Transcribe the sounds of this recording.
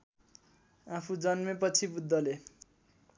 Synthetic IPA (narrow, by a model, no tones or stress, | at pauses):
apʰud͡zʌnmepʌt͡sʰibud̪ʱːʌle